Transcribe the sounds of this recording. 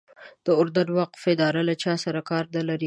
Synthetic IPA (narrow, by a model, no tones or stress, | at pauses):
d̪̥əʊɾd̪ad̪waqfɪd̪ɑɾalat͡ʃɑsaɾakɑɾnəlaɾi